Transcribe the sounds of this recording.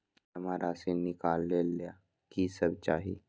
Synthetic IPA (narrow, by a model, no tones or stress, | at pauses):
əmaɾasenikalːelːja | kiːsəb̚t͡ɕaɦi